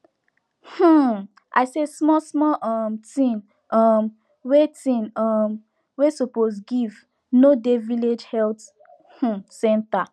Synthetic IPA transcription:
h̩ | ʔa̰ɪsesmɔsmɔʔɔmtĩn | ɔm | wetĩnɔm | wesoposɡiv | nodeviled͡ʒhɛlt | h̩sɛ̃nta

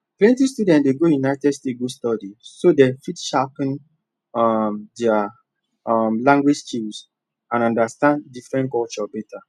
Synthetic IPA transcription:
klɛ̃ntistudɛ̃ntdeɡojunaɪtɛdstet̚ɡostɔdisodɛfitʃapn | ɔmdɛa | mlãŋɡwed͡ʒt͡ʃis | ãnɔ̃ndastãnddifɹɛ̃ntkɔlt͡ʃɔbɛta

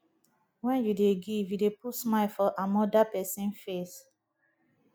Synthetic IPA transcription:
wɛ̃njudeɡivjudepusmaɪlfɔʔamɔdapɛsĩnfes

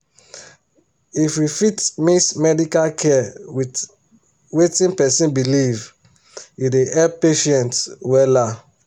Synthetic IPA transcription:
ifjufitmiksmɛdikalkʰɛwi | wetĩnpɛsĩnbiliv | jideʔɛpeʃɛ̃ntwɛla

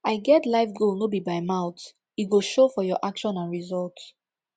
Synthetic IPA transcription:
aɪɡɛtlaɪfɡolnobibaɪmaʊt | iɡoʃofɔjɔʔakʃɔ̃nãnɹizɔlt

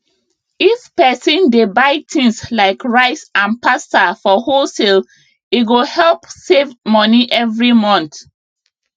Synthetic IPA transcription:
ifpɛsɔ̃ndebaɪtʰĩŋslaɪkɹaɪsãnpastafɔhosɛl | iɡohɛlpsevmɔniʔɛvɹimɔ̃nt

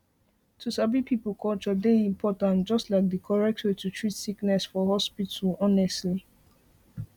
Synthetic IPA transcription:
tʰusabipʰipəlkʰɔlt͡ʃɔdeĩmpʰɔtãntd͡ʒʌstlaɪk̚dəkʰɔɹɛk̚tʰwetʰutʰɹitsiknɛsfɔhɔspitʰəlɔnɛstli

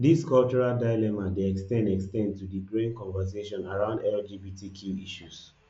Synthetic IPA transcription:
diskɔlt͡ʃɔɹaldaɪlɛmadeɛkstɛ̃ndɛkstɛ̃ndtudiɡɹẽnkɔ̃nvas̬eʃɔ̃naɹãʊ̃ndɛld͡ʒibitʰikʰjuiʃus

